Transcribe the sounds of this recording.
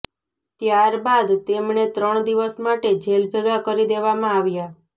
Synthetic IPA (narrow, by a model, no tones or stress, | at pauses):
t̪jaɾbad̪t̪emɳet̪ɾəɳ̃d̪iʋəsmaʈed͡ʒʱelbʱeɡakəɾid̪eʋamãaʋja